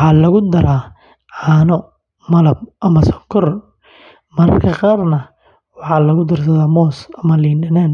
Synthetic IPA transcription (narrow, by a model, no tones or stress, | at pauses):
wħɑːlɐɣʊd̪ɐɾaː | ʕɑːnɔ | mɐlɐb̚ʔɐmɐsɔkʰɔr | mɐɾɐ̰rkʰɐqɑːrnɐ | wɑħɑːlɐɣʊd̪ɪrsɐðaːmɔːsɐmɐliːnɖɐnaːn